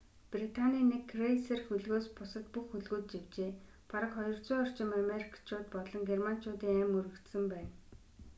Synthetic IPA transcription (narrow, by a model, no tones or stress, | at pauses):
prit̪ʰanʲiːnekːrejsĕrxɵɮɣoːspʊsə̆t̪puxːɵɮɣuːt̪̚t͡ɕiwt͡ɕeː | paɾə̆kχɔjɞ̆r̥t͡sʊːɔr̥t͡ɕɪ̆mameɾikʰt͡ɕʰʊːt̪pɔt̪ɮɞ̆ŋɡerman̥t͡ɕʰʊːt̪iːŋæːmɵɾɘ̆kt̪sɘ̆mpæːn